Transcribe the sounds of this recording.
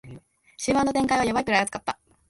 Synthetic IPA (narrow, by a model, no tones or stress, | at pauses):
ɕiβãnːot̪ẽ̞ŋkaiβajoβaikɯɾajat͡sɨ̥kat̪ːa